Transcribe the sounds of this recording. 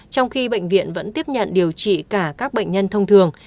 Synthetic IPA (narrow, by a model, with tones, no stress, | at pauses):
t͡ɕɔ˧wŋ͡mxi˧ɓə̰˧˨jŋ̟vḭ˧˨ənvə̰˧˥nt̪i˦˥əp̚ɲə̰˧˨nɗi˨˩əwt͡ɕḭ˧˨kaː˧˩kaː˦˥k̚ɓə̰˧˨jŋ̟ɲə˧nt̪ʰə˧wŋ͡mt̪ʰɨ˨˩əŋ